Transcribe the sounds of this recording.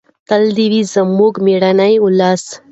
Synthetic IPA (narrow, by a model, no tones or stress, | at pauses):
t̪ɐld̪iʋizɐmːoɡmeɽanajulːaːs